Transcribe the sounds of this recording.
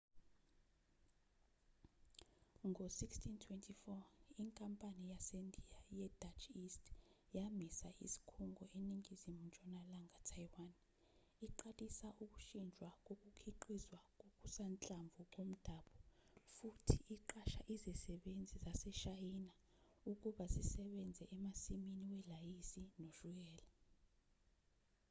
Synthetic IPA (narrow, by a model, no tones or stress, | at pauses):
ŋʱosikstʰintʰwɛntʰifɔiŋkʼampʼanijasendʱijajɛd̥at͡ʃistjamisaʔḭsi̥kʰuŋɡʱɔeniŋizimund͡ʒʱɔnalaŋʱatʰajwan | iǃalisaʔuk̬ʼuʃind͡ʒʱwak̬ʼok̬ʼukʰiǃizwak̬ʼok̬ʼusant͡ɬʼamvʱuk̬om̩d̥ʱaɓɔfutʰiʔiǃaʃaʔizɛsɛɓend͡zʱizasɛʃajina | uk̬ʼuɓazisɛɓɛnd͡zʱɛʔɛmasiminiwɛlajisinoʒuk̬ɛːla